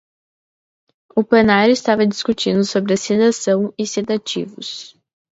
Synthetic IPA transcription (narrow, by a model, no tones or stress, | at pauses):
ʊpenajɾʊist̪avɐd͡ʒiskut͡ʃĩnd̪ʊsobɾɪɐsed̪asɐ̃w̃ɪsed̪at͡ʃḭvʊ̰s